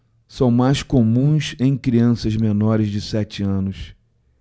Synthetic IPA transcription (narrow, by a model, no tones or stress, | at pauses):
sɐ̃w̃majskomũsẽj̃kɾiɐ̃sɐzmenɔɾɪzd͡ʒɪsɛt͡ʃɪɐ̃nʊs